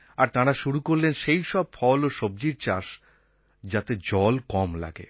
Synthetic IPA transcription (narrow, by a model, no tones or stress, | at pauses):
aɾt̪aɾaʃuɾukoɾlenʃejʃɔb̚fɔloʃob̚d͡ʑiɾt͡ɕaʃ | d͡ʑat̪ed͡ʑɔlkɔmla̰ɡḛ